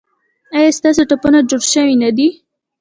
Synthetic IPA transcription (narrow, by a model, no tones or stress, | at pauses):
ajast̪ɑs̬oʈapunad͡ʒoɽʃəwinad̪i